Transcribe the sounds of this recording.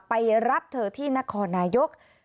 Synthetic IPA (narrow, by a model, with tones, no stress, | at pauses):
pa˧jɾa˦˥p̚t̪ʰɤː˧t̪ʰiː˥˩na˦˥kʰɔː˧nːaː˧jo˦˥k̚